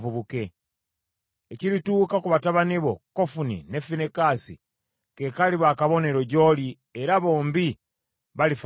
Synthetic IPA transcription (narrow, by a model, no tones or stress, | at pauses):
vuβuke̞ | eciɾituːkakuβataβaniβo̞kofunḭne̞finekasḭ | ke̞kaliβakaβo̞neɾo̞ɟo̞ːli | eɾaβo̞ːmbi | βalif